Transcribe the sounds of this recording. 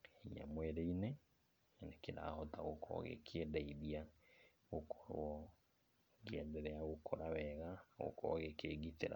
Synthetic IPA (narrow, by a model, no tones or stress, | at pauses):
iɲa̰mwɛɾeine | nekeɾa̰hɔtaɣokʰɔ̰ɣḛkʰedaiðia | ɣokʰɔ̥ɾwɔ | ɡeɛdɛɾɛaɣokʰoɾawɛɣaɣo̰kʰɔ̰ɣekeɡiteɾa̰